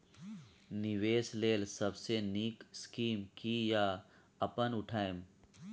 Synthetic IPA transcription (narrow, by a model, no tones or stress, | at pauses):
nɪʋeːsleːlsɐbseniːkskiːmkija | ɐpənʊʈʰaːem